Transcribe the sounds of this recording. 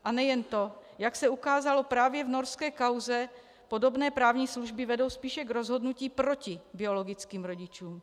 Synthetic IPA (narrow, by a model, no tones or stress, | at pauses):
ʔanɛjɛnt̪o̞jaksɛukaːzalo̞pɾaːvjɛvno̞ɾskɛːkawzɛ | po̞do̞bnɛːpɾaːvɲiːsluʒbɪvɛdo̞wspiːʃɛɡɾo̞zɦo̞dnuciːpɾo̞cɪbɪo̞lo̞ɡɪt͡skiːmɾo̞ɟɪt͡ʃuːm